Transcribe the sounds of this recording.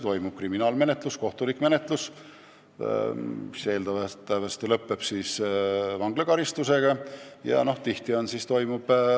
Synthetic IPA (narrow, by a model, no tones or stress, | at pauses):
t̪o̞jmub̥̚kriminɑːlme̞ne̞t̪lusko̞ht̪ulikːme̞ne̞t̪ˑlus | ise̞ːld̪ɑvɑt̪ɑvɑst̪elɤpːe̞b̥siːsvɑŋɡ̥lekɑɾist̪use̞ɡ̥ɑjɑ̰no̞ht̪iht̪io̞nsist̪o̞jmub̥